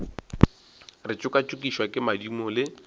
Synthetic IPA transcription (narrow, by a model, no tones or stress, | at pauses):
rɪt͡ʃʼʊkʼat͡ʃʼʊkʼiʃwakʼɪmadimʊlɪ